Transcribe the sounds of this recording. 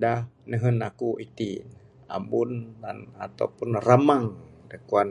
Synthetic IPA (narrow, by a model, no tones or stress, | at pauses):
danəɦənakuʔit̪i | a̰mbundanat̪a̰wpunramaŋdəkuwan